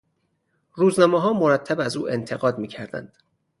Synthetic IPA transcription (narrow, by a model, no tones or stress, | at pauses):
ruːznɒːmɛɦɒːmoɾæt̪ʰːæbæzuːʔe̞nt̪ʰe̞ɣɒːd̪miːcʰæɾd̪æ̰nd̪̥